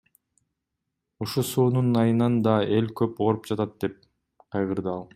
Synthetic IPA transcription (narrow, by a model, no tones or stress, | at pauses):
uʃusuːnunɑjɯnɑnd̪ɑe̞lʲkøpoɾup̚d͡ʒɑt̪ɑt̪̚d̪̥e̞p̚ | qʰɑjʁɯɾd̪ɯɑlˠ